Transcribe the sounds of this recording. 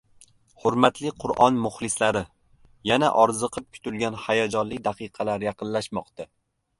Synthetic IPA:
hʊɾmat̪lɪqʰʊɾʔɒnmʊχlˠɪslaɾɪ | jana̰ʔɒɾzɨqʰɨp̚kʲʰʊ̥t̪ʰʊlɡʲanhajɒd͡ʒɒnlɪk̚ʲd̪ɑqʰɨqʰɑlaɾjɑqʰɨnlaʃmɒqt̪a

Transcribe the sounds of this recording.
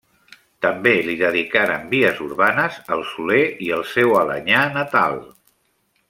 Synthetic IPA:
t̪əmbeliðəðikaɾə̰mbiəzuɾβanəzəlˠsuleiəlˠsɛwələ̰ɲanət̪a̰lˠ

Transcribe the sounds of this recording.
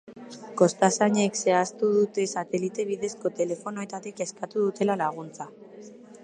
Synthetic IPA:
ko̞st̪asaɲe̞kse̞ast̪uðut̪e̞sat̪e̞lit̪e̞β̞iðe̞sko̞t̪e̞le̞fo̞noe̞t̪at̪ike̞skat̪uðut̪e̞lalaɣ̞unt͡sa

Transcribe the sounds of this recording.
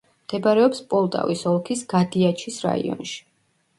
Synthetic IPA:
md̪̥ɛbaɾɛɔpspʼɔlˠt̪ʼa̰visɔlˠkʰisɡ̥ad̪iat͡ʃʰisɾa̰ḭɔ̰nʃi̥

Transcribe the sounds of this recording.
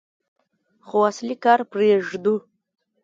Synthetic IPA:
χuwaslikarpʰriaʐdu

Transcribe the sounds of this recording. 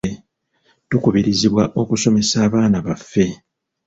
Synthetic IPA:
tukuβiɾiziβwaʔo̞kuso̞me̞saːβaːnaβafːe̞

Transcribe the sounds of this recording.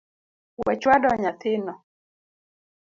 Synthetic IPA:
wɛt͡ʃwadɔɲat̪ʰɪnɔ

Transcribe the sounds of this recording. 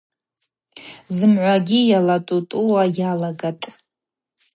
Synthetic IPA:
zɨmʕʷaɡʲijalatʼutʼulwajalaɡatʼ

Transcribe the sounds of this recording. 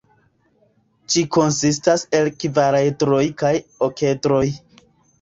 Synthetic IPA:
t͡ʃiko̞nsis̬tase̞lkvaɾaejtɾo̞jkajoke̞tɾo̞j

